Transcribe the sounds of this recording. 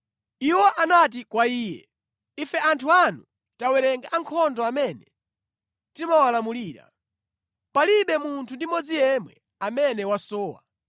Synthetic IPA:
iwɔʔanat̬ikwaiːjɛ̰ | ifɛʔantʰuanu | tawɛɾɛŋɡaʔaŋkʰɔndɔamɛnɛ̰ | timawalamuliːɾa̰ | paliɓɛmuntʰundimɔd͡zijɛmwɛ̰ | amɛnɛwasɔːwa̰

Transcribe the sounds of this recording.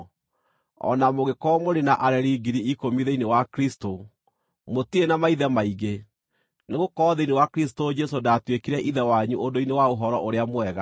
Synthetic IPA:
ɔ̰namoɣekɔmoɾenaʔaɾɛɾiɡiɾiikomiðeinewakɾisto | motienamaiðɛmaiɣe | neɣokɔːðeinewakɾis̬tod͡ʒɛsodatwekiɾɛʔiðɛwaɲuondoinewaoɦɔɾɔʔoɾeamoɛɣa

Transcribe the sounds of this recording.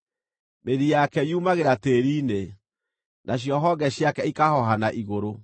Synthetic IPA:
meɾijakɛjumaɣeɾateɾiːne | nʔaɕ̬jɔɦɔɡɛɕjakɛikahɔɦanaʔiɣoɾo

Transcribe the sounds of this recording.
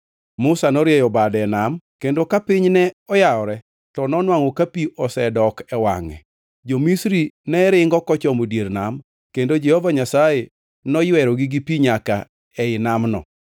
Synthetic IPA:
mʊsanɔɾjɛjɔbadɛnamkendokapɪɲnɛɔjaɔɾɛ | tɔnɔnwaŋokapiʔɔsɛdɔkɛwa̰ŋɛ̰ | d͡ʒomisɾinɛɾɪŋɡɔkɔt͡ʃɔmodjeɾnam | kendod͡ʒehovaɲasaje | nɔjwɛɾɔɡiɡipiɲaka | ɛɪnamnɔ̰

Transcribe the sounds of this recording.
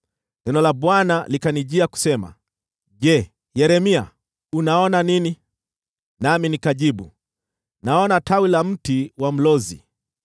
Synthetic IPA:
nɛnɔlaɓwanalikaniʄiaku̥sɛma̰ | ʄɛ | jɛɾɛmia̰ | unaɔnanini | naminikaʄiɓu | naɔnatawilam̩tiwam̩lɔzḭ

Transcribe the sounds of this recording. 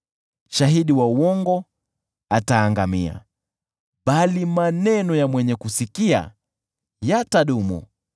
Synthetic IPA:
ʃaɦiɗiwauwɔŋɡɔ | ataːŋɡamia̰ | ɓalimanɛnɔjamwɛɲɛkusikia̰ | jataɗumṵ

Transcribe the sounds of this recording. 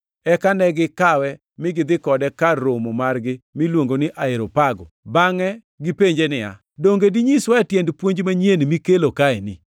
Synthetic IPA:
ɛkanɛɡɪkawɛ | mɪɡɪd̪ɪkɔdɛkaːomɔmarɡɪmɪlwoŋɡonɪʔaɪɾopaɡɔ̰baŋɛ | ɡɪpeɲd͡ʒenɪa̰ | doŋɡediɲiswatjendpwoɲd͡ʒmaɲjenmikelokaɛnɪ

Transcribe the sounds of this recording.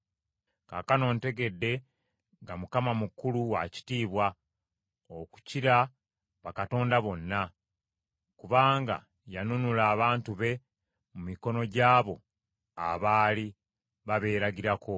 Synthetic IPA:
ka̰ːkano̞ːnte̞ɡe̞dːe̞ | ŋɡamukamamukuluwaci̥tiːβwa | oku̥ciɾa | βakato̞ːndaβo̞nːa | kuβaːŋɡa̰ | janunulaːβaːntuβe̞ | mumiko̞no̞ɟaːβo̞ | a̰βaːli | βaβe̞ːɾaɟiɾakʰo̞

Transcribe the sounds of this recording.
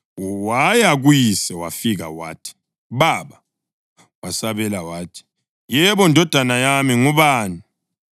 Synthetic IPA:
wajaɣujisɛwa̰fiɣa̰wa̰ːtʰi̥ | ɓaɓa | wasaβɛlawaːtʰi̥ | jɛβɔndʱɔd̥ʱanajamiŋuβaːni

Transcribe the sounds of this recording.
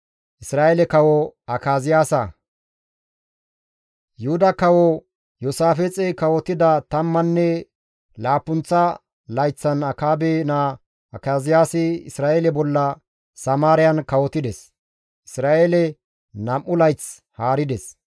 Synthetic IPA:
ʔɪsɾaːʔelɛkɐwɔɐkaːzɪjaːsɐ | jʊhʊd̪ɐkɐwɔ | jɔsaːfɛt͡sʼɛkɐwɔt̪ːɪd̪ɐt̪ɐmːɐnːɛ | laːpːʊnt͡sːɐ | lɐjt͡sːɐnɐkaːbena | ɐkaːzɪjaːsɪɪ̰sɾaːʔelɛbɔlːɐ | sɐmaːɾɪjɐnkɐwɔt̪ɪd̪ɛs | ʔɪsɾaːʔeːlɛ | nɐmʔːʊlɐjt͡s | haːɾɪd̪ɛs

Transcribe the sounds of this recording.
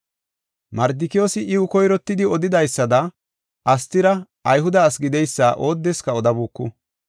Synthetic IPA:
mɐɾd̪ɪkɪjo̞ːsɪʔɪwʊkɔjɾɔt̪ːɪd̪ɪɔd̪ɪd̪ɐjsːɐd̪ɐ | ʔɐst̪ːɪɾɐ | ɐjɦʊd̪ɐːsɡɪd̪ɛjsːɐːʔo̞ːd̪ːɛskɐɔd̪ɐbuːkːʊ

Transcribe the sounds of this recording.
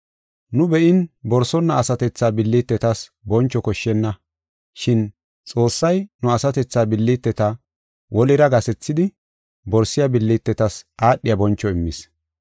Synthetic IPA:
nʊbɛʔɪnbɔɾsɔnːɐːsɐt̪ɛt͡sːaːbɪlːit̪ːɛt̪ɐsbɔnt͡ʃːɔkɔʃːɛnːɐ | ʃɪn | t͡sʼo̞ːsːɐjnʊɐsɐt̪ɛt͡sːaːbɪlːiːt̪ːɛt̪ɐ | wʔɔlɪɾɐɡɐsɛt͡sːɪd̪ɪ | bɔɾsɪjɐbɪlːit̪ːɛt̪ɐsʔaːɗːɪjɐbɔnt͡ʃːɔɪmːɪs

